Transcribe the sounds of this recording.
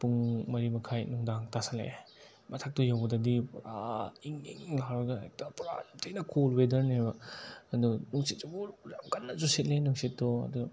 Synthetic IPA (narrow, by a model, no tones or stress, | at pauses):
puŋmɐɾimɐkʰajnuŋdaŋtasalḛ | mɐtʰak̚tɔjawdadipɾaiŋiŋlaɾaɡaatapɾa̰jamtʰajnɐkʰolwedɐɾniajbaɐdunuŋsit̚d͡ʒubuɾɾamkanːazuset̚lenuŋsitːɔɐ̰duɡ